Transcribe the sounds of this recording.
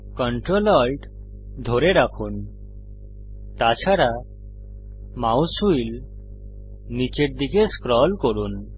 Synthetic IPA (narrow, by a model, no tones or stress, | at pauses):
kɔɳʈɾolɔjɖ | d̪ʱoɾeɾakʰun | t̪at͡ʃʰaɾa | mawsuil | nit͡ʃeɾd̪ikeskɾɔlkoɾun